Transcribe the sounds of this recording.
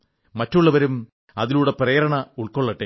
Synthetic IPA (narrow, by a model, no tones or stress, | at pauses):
mɐtːuɭːɐʋɐɾum | ɐðiluːɽe̞prɐjɐɾɐɳɐuɭkoɭːɐʈːe